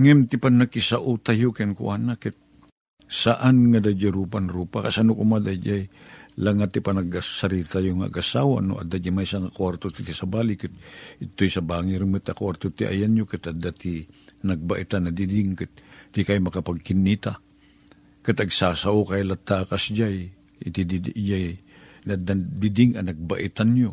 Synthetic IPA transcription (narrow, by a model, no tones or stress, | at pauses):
ŋɛmt̪ɪpanɐkɪsaʔot̪ajokɛnkʊ̰ʔanakɛt̪̚ | saʔanŋɐd̪ad͡ʒaɾuːpanɾuːpakasanokomad̪ad͡ʒajlaŋat̪ːɪpanɐɡasɐɾit̪ajoŋa̰ɡasawa̰noʔɐ̰d̪ad͡ʒamajsaŋakwaɾt̪ot̪ɪt̪ɪsɐbaːlɪkɨt̪̚ʔɪt̪ːojsɐbaːŋɪɾmɨt̪akwaɾt̪ot̪ɪʔa̰janjokɨt̪ad̪at̪inɐɡ̚baʔɪt̪anɐd̪ɪd̪ɪŋkɨt̪̚t̪ɪkajmɐkapaɡ̚kɪnːit̪a | kat̪ɐɡsasaʔokajlat̪ːakasd͡ʒaj | t̪id̪d͡ʒaj | nad̪ad̪ɪd̪ɪŋɐnɐɡ̚baʔɪt̪anjo